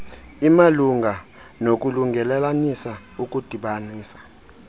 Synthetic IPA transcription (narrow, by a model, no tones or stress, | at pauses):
imaluŋɡʱa | nok̬ʼuluŋɡʱɛlɛlanisa | uk̬ʼud̥ʱiɓaniːsḁ